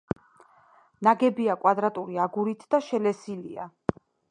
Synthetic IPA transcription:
naɡɛbiakʼwad̪ɾat̪ʼuɾiaɡuɾit̪ʰd̪aʃɛlɛsilia̰

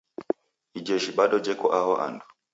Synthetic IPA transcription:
id͡ʒɛʒiɓaɗɔd͡ʒɛkɔʔaɦɔʔa̰ndɔ

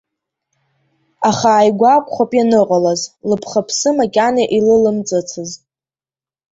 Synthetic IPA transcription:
aχaːjɡʷakʷʰʼχʷapʼjanɨqʼalazlɨpʰχapʰsɨmakʲʼanaʔilɨlɨmt͡sʼɨt͡sʰɨz

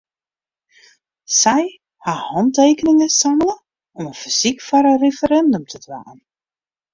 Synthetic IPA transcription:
sɛj | hahɑnteːkənɪŋəsamələ | ɔmənfiz̥ikfɔɾərefəɾɛndəmtʰədʋa̰ːn

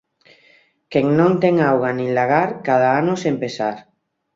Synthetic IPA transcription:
keŋnõnt̪eŋawɣanĩŋlaɣaɾkað̞aanosempesaɾ

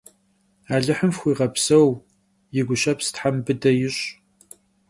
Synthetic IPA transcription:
aːɮɨħəmfxʷiːʁɐpsɐw | jɪɡʷʊɕɐpsɨ̥tħambɨdɐjɪɕʼ

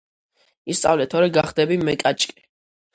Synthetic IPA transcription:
ist̪sʼavlɛt̪ʰɔɾɛɡaχd̪ɛbimɛkʼat͡ʃʼkʼi̥

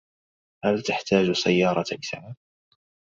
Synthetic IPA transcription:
halt̪aħt̪aːd͡ʒsajːɑːɾˤɑʔɪsʕa

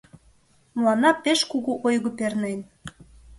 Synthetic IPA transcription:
mlɑnɑpeʃkuɣuʔojɣə̆pernen

